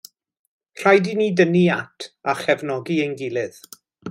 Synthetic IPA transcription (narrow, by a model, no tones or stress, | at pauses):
r̥ajdiniːdəniatʰaχɛvnɔɡiejnɡɪlˠɪð